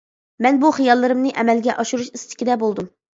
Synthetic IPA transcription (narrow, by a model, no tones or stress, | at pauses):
mɛnbuχijɑlˠːɨɾɨmnɨʔɛmɛlɡʲɛʔɑʃuɾuʃist̪ʰɪ̥kʲid̪ɛbolˠd̪um